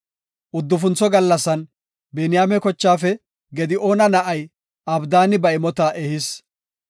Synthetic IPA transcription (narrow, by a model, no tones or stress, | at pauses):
ʔʊd̪ːʊfʊnt͡sːɔɡɐlːɐsːɐn | bɛnɪjaːmɛkɔt͡ʃːaːfɛ | ɡɛd̪ɪo̞ːnɐnɐʔɐj | ɐbd̪aːnɪbɐɪmɔt̪aːʔɛhɪs